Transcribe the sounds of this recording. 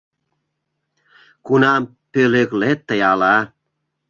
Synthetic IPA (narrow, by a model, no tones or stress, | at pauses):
kunɑm | pøleɣlet̪ːə̆jɑlɑ